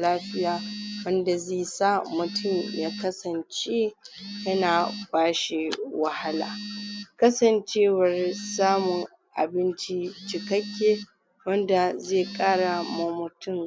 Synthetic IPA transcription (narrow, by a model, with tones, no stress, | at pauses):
laː˦ɸɪ˦jaː˨˦wɐ˦nda˨zeː˦˨sa˦mʊ˨tʰʊ˦˨mjaː˦kɐ˦sɐ˨nt͡ʃe˦jɐ˦naː˨baː˦ʃi˨wa˨ha˦la̰ː˨kɐ˦sɐ˨nt͡ʃeː˦wɐ˨rsaː˦mʊ˨ŋ | ʔa̰˨bɪ˦nt͡ʃi˦t͡ʃɪ˨kɐ˦kʲːeː˦ | wɐ˦nda˨zeː˦˨kʼaː˦ɽa˨ma˨mʊ˨tʰʊ˦m